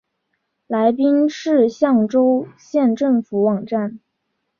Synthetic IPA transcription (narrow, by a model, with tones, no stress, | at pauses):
la˧˥ɪpi˥ŋʂɻ̩˥˧ɕjɑ˥˩ŋʈ͡ʂo˥ʊɕjɛ˥˧nʈ͡ʂɤ˥˩ŋfu˧˥wɑ˨˩ŋʈ͡ʂa˥˩n